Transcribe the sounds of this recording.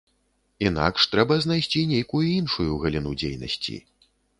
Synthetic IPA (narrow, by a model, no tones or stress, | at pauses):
ina̰kʂt̪ɾɛbɐznajsʲt͡sʲinʲejkujuinʂujuɣɐlʲinud͡zʲḛjnɐ̰sʲt͡sʲḭ